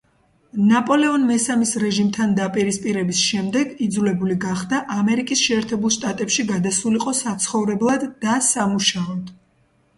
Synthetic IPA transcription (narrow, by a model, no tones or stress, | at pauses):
napʼɔlɛɔnmɛsamisɾɛʒimt̪ʰand̪apʼiɾispʼiɾɛbisʃɛmd̪ɛɡid̪zulɛbuliɡaχd̪aʔamɛɾikʼisʃɛːɾt̪ʰɛbulˠʃt̪ʼat̪ʼɛpʃiɡad̪asuliqʼɔsat̪sʰχɔvɾɛblˠad̪ːasamuʃaɔd̪̥